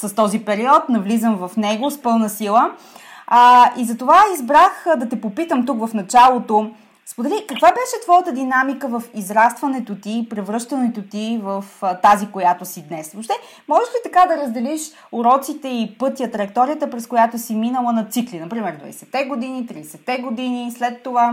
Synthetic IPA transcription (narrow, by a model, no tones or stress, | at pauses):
sɐst̪ɔzipɛɾiɔt̪nɐvlizəmvɐfnɛɡospɤlˠnəsilˠə | izɐt̪ovaizbɾaxd̪ɐt̪ɛpopit̪əmt̪ukvɐfnɐt͡ʃalˠot̪o | spod̪ɛlikɐkvabɛʃɛt̪vɔjət̪əd̪inamikəvəfizɾast̪vɐnɛt̪ot̪ipɾɛvɾɤʃt̪ənɛt̪ot̪ivəft̪azikojat̪osid̪nɛsvopʃt̪ɛ | mɔʒɛʃt̪it̪ɐkad̪ɐɾəzd̪ɛliʃ | oɾɔt̪sit̪ɛipɤt̪ijət̪ɾɐk̚t̪ɔɾijət̪əpɾɛskojat̪osiminəlˠənɐt̪siklinɐpɾimɛɾd̪vɐ̰ɛsɛt̪ːɛɡod̪init̪ɾid̪ɛsɛt̪ːɛɡod̪inislɛt̪ːova